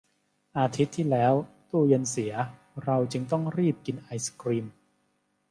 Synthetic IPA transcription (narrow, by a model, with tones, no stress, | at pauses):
ʔaː˧t̪ʰi˦˥t̪ʰːiː˥˩lɛː˦˥wt̪uː˥˩je˧nsi˩˦ɐ | ɾa˧wt͡ɕɯ˧ŋt̪ɔ˥˩ŋɾiː˥˩p̚ki˧nʔa˧jsḁ˧kɾiː˧m